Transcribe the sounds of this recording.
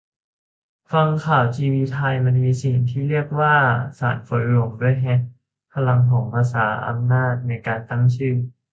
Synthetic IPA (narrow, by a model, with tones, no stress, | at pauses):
fa˧ŋkʰaː˨˩wt͡ɕiː˧wiː˧t̪ʰa˧jma˧nmiː˧si˨˩ŋt̪ʰiː˥˩ɾi˥˩ək̚waː˥˩sa̰ː˩˦nfo˩˦nlu˧˩əmdu˥˩əjɦɛ˦˥ | pʰa˧la˧ŋpʰɔː˩˦ŋpʰaː˧saː˩˦ʔa̰˧mnaː˥˩t̪̚na˧jkaː˧nt̪a˥˩ŋt͡ɕʰɯː˥˩